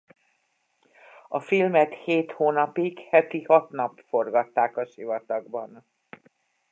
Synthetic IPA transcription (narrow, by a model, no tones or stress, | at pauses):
ɒfilmɛt̪heːt̪hoːnɒpikhɛt̪ihɒt̪nɒpfo̞rɡɒt̪ːaːkɒʃivɒt̪ɒɡbɒn